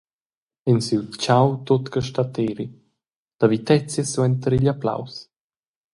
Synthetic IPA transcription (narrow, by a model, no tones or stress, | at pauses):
ɛnsiwt͡ʃawt̪ot̪kəʃtat̪eɾi | d̥avit̪ɛt͡sjəswɛnt̪əɾiʎapla̰ws